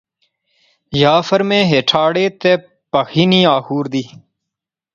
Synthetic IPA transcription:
jaːfəɾmẽːɦeːʈʰaːɽeːt̪eː | pəxʰiːnĩːaːhuːɾd̪iː

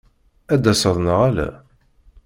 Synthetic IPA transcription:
æd̪ːæsəðˤnəʁælæ̰

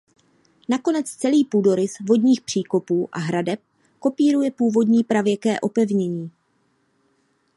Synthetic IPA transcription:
nako̞nɛt͡st͡sɛliːpudo̞ɾɪsvo̞dɲiːxpr̝̥iːko̞puːʔa̰ɦɾadɛp̚ | ko̞piːɾujɛpuːvo̞dɲiːpɾavjɛkɛːʔo̞pɛvɲɛɲiː

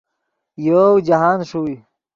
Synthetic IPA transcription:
jowd͡ʑaɦaːnʂuj

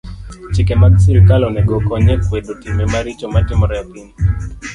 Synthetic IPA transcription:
t͡ʃɪkɛmaksɪlkalɔnɛɡɔkɔɲɛkwedotimɛmaɾit͡ʃɔmat͡ʃɪmɔɾɛɔpɪn

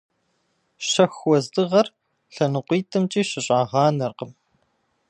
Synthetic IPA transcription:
ʃɕɐxwɔzdɨʁɐr | ɬɐnɨqʷiːtʰɨmt͡ʃʼiːɕɪɕʼaːʁɑːnɐrqəm

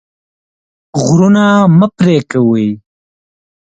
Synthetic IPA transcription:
ɣɾunaməpɾeːkəwi

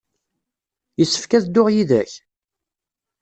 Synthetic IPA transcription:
jəsːə̥fkæðd̪ːʊʁjiðæç

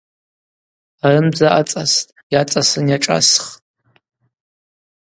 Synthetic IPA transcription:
arɨmd͡zaʔat͡sʼastʼjat͡sʼasɨnjaʈ͡ʂʼa̰sχtʼ

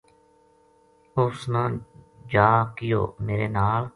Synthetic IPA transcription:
ʊsnãː | d͡ʒaːkɪjo̰ːmeːɾeːnaːl

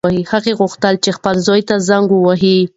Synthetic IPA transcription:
ahihaɣeɣʊxt̪əlt͡ʃexpəlzɔjt̪azaŋɡuwaɦi

